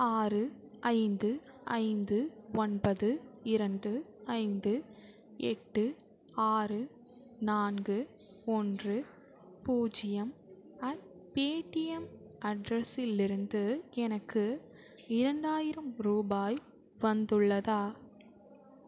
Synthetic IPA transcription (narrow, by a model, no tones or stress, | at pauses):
aːrɯ | ʔɐɪnd̪ɯɐ̰ɪnd̪ɯɔnbɐðɯɪɾɐɳdɯɐɪnd̪ɯ | ɛ̰ʈːɯ | aːrɯ | naːnɡɯ | ɔndrɯ | puːd͡ʒɪjɐm | ɐɳpeːʈɪjɐmɐɖɾɐsɪlɪɾɯnd̪ɯɛnɐkːɯ | ɪɾɐɳɖaːjɪɾɐmɾuːbaːj | ʋɐnd̪ɯɭːɐðaː